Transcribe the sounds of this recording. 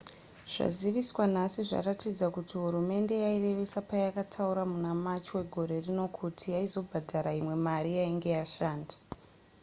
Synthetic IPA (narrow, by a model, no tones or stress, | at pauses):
ʐ̥a̰ziʋiswanasiʐa̰ratid͡zakutiɦuɾume̞nde̞jaire̞ʋe̞sapajakatʰauɾamunamat͡ʃwe̞ɡʱo̞ɾe̞rino̞kʰutʰijaizo̞bʱadʱaɾaimwe̞maɾijaiŋɡe̞jaʃaːndḁ